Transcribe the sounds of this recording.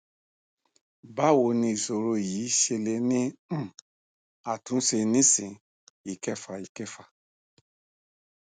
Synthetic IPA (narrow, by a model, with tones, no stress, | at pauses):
ba˦˨wo˧˦nĩ˧i˨so˨ɾo˧˨jiː˨˦ʃe˧le˧˦nĩ˦˨ | a˨tũ˨˦se˧nĩ˦sĩ˨ | i˨kɛ˦˨fa˨i˨kɛ˦˨fa˨